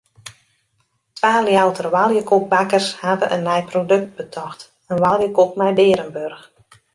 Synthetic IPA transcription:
tʋaːljawtərəʋalˠjəkok̚bakərshadəʔənːɛjprodɵk̚t̚bətʰɔxt | ənʋalˠjəkokmɛjbɪːɾənbørx

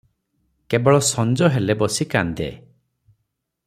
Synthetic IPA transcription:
kebɔɭɔsɔnd͡ʒɔɦelebɔsikand̪ḛ

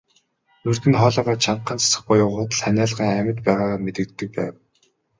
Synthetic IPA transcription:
nɵrt̪ɘ̆nχɔːɮɔːʁaːt͡ɕʰaɴqːə̆nt͡sʰḁsə̆χpʊjʊːʁʊːt̪ə̆ɮχænʲæːɮʁiːŋæmə̆t̪pæːʁaːʁaːmet̪ɘ̆k̚t̪ːɘ̆k̚pæ̰ːw

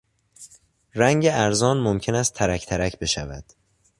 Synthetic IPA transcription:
ɾæŋɟeæɾzɒːnmomcʰe̞næst̪ʰæɾæcʰt̪ʰæɾæcʰbe̞ʃævæ̰d̪̥

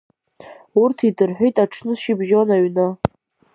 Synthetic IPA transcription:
urtʰidɨrħʷᶣejtʼaʈ͡ʂʰnɨsʃibʒonaɥna

